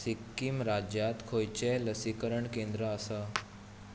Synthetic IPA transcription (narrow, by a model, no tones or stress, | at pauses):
sikːimɾad͡ʑjat̪kʰojt͡ɕeləsikəɾəɳkẽnd̪ɾəːsa